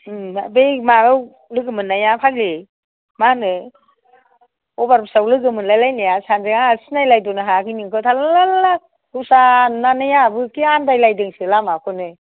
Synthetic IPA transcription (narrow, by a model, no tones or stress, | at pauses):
abejmaɯw | lɯɡɯmɯnːajapʰaɡi | manɯ | ɔbaɾbsawlɯɡɯmɯnlajlajnajasanzeŋasɯnajlajdɔnɯɦakɯjniŋkʰɯtʰalalalala | ɯsanːanajabɯkiandajlajdɯŋsɯlamakʰɔnɯ